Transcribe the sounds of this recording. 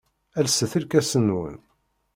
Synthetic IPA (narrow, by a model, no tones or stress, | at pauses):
ælsəθəlkæsənwə̰n